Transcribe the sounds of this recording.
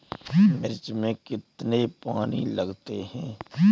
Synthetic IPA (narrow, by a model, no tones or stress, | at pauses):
mɪɾt͡ʃmẽkɪt̪nepaːnḭləɡt̪eɦɛ̃ː